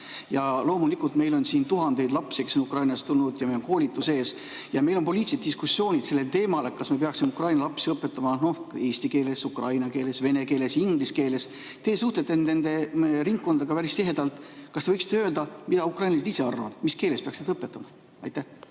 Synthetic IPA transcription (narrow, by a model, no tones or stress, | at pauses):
jɑlo̞ːmulikult̪me̞jlo̞nsiːnt̪uɦɑnd̪e̞jd̪lɑpsike̞sːo̞nukrɑjnɑst̪ulnud̪̥jɑmelo̞ŋko̞ːlit̪ːˑuse̞ːs | jɑme̞jlo̞npoliːt̪iset̪d̪iskusːjo̞ːnʲid̪̥se̞lːe̞lt̪e̞ːmɑlekɑsmɑpe̞ɑksimukrɑjnɑlɑpsiɤpːˑe̞t̪ˑːɑmɑno̞he̞ːsʲt̪ike̞ːle̞sukrɑjnɑke̞ːle̞sve̞ne̞ke̞ːle̞siŋɡ̥liske̞ːle̞s | t̪e̞ːsuht̪e̞t̪ːˑennend̪̥e̞ɾiŋkkːo̞nd̪̥ɑɡ̥ɑpæɾist̪iɦe̞d̪ɑlt̪ˑkɑst̪eɤjksi̥t̪eøːld̪ɑmid̪ɑukrɑjnlɑset̪ise̞ɑrːɑvɑ̰d̪̥miske̞ːle̞speɑksned̪̥ɤpːet̪ːˑɑmɑ | ɑ̰jt̪æh